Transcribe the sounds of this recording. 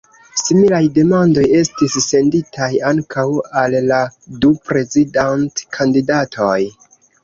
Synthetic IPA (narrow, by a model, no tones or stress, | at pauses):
similajde̞mando̞je̞stisːe̞nditʰajaŋkʰawalːadupɾe̞zidantkʰandidatʰo̞j